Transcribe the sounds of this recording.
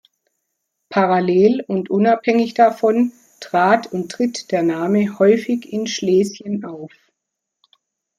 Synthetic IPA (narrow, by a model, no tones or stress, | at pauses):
pʰaʁaleːlʊntʔʊnaphɛŋɪçd̥afɔn | tʁ̥aːtʰʊntʁ̥ɪtd̥eːɐnaːməhɔʏfɪçɪnʃleːsjənʔaʊf